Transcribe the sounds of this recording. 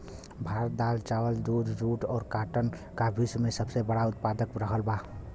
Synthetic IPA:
bʱaɾət̪̚d̪alt͡ʃawəld̪ud͡ʒɾuʈɔːɾkaʈən | kabʱismesəbsebəɽaʊt̪̚pad̪əkɾəɦəlba

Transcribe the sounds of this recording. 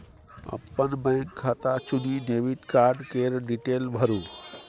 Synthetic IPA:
ɐ̰pːənbɛ̃ːŋkʰːaːt̪at͡ʃʊnineːʋiʈkaːɾɖkeːɾɖiʈeːlbʱəɾũː

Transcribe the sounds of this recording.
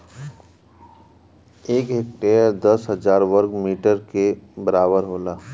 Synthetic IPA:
eːkɦek̚ʈeɾd̪əsɦəd͡ʒaːɾʋəɾɡmiːʈəɾkebəɾaːbəɾɦoːlaː

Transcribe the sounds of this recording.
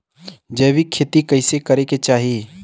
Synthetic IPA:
d͡ʒəːbikʰeːt̪ikɐɪsekɐɾeket͡ʃaːɦie

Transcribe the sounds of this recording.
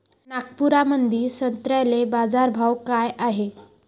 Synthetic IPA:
nakpuɾamənd̪ʱiːsənt̪ɾajlebad͡zaɾbʱawkajaɦe

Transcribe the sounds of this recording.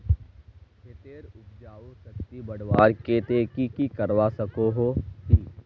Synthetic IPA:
ɦet̪eːɾʊp̚d͡ʒaːosɐkt̪ibɐɽʋaːɾket̪eːkikikɐɾwasɐkoɦot̪iː

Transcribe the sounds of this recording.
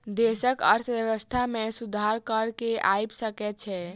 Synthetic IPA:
d̪esəkə̰ɾt̪ʰbjəβəst̪ʰamesud̪ʱaɾkəɾkeʔa̰jbsəkɛt̪̚t͡ʃʰɛ

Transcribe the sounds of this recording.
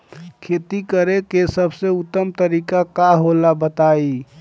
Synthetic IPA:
kʰet̪ikəɾekesəbʱseut̪ːəmt̪əɾikakaɦolabət̪ai

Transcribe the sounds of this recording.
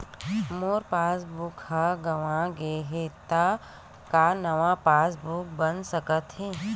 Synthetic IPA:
moːɾpaːsbʊkhaɡɐʋãɡeːɦet̪a | kanɐʋãpaːsbuk̚bənsəkət̪ɦẽ

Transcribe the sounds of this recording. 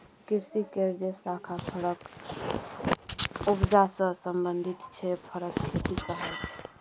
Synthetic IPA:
kiɾsikeɾd͡ʒesakʰapʰəɾək | upd͡ʒasə̃səmbənd̪ʱit̪t͡ʃʰɛpʰəɾəkkʰet̪ikəɦɛlt͡ʃʰɛ̥

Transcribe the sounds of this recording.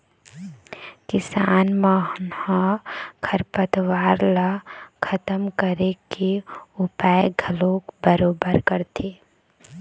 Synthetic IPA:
kɪsaːnmaɦnhɔ̃kʰəɾpət̪waːɾlakʰət̪əmkəɾekeʊpaːjeɡʱəloːkbəɾoːbəɾkəɾt̪ʰe

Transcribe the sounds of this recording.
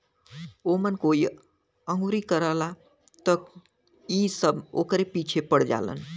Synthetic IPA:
omənkoi | əŋɡuɾikəɾəla | t̪ək | isəbo̰kɾepit͡ʃʰepəɽd͡ʒa̰lə̰n

